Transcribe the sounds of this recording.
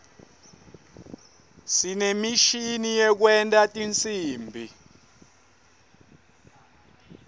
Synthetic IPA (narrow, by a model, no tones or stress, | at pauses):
sinemiʃinijɛk̬wɛntʼatʼint͡sʼiːmbʱi